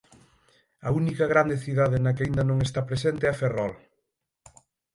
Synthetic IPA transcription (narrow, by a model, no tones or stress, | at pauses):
ɐunikɐɣɾand̪eθiðaðenɐk̬eaind̪ɐnõŋest̪apɾesent̪ɪɐferɔl